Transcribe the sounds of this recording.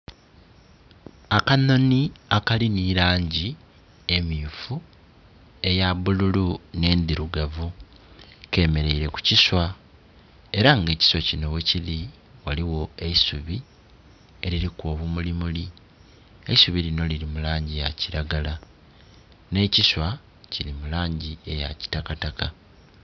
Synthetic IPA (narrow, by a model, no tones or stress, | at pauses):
akano̞niakaliniɾaːɲɟi | e̞miːfu | e̞jaβululune̞ːnd̪iɾuɡavu | ke̞me̞ɾe̞iɾe̞ku̥ciswa | e̞ɾaŋɡe̞ːci̥swocino̞wecili | waliwo̞e̞isuβi | e̞ɾiɾiko̞ːβumulimuli | eisuβiɾino̞liɾimulaːɲɟijaciɾaɡala | ne̞ciswa | ciɾimulaːɲɟie̞ja̰ci̥takataka